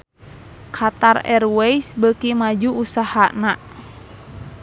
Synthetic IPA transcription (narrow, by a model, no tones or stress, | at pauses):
kʰat̪arɛ̰rwɛisbəkimad͡ʒuusahana